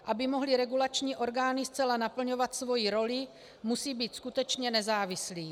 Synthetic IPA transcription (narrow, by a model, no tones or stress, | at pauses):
ʔabɪmo̞ɦlɪɾɛɡulat͡ʃɲiːʔo̞ɾɡaːnɪst͡sɛlanapl̩ɲo̞vat̪svo̞jiɾo̞lɪ | musiːbiːt̪skut̪ɛt͡ʃɲɛnɛzaːvɪsliː